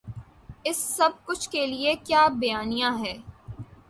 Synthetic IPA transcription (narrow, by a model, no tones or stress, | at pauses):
ɪsːɐb̚kʊt͡ʃʰkeliekjaːbɐjaːnijãɦɛː